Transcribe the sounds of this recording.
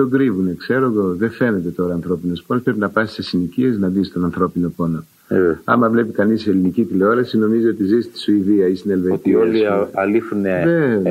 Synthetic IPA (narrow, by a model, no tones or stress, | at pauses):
t̪o̞ɡɾivune̞kse̞ɾoɣo̞ðefe̞ne̞t̪e̞t̪o̞ɾɐːnθɾo̞pinosponospɾe̞p̬inɐpɐssesinicie̞znɐðist̪o̞nɐnθɾo̞pino̞po̞no̞ | ɐ̰mɐvle̞pikɐniselinicit̪ileoɾɐsino̞mizoot̪izist̪i̥suiðiɐist̪ine̞lvet̪ioliɐlifuneðe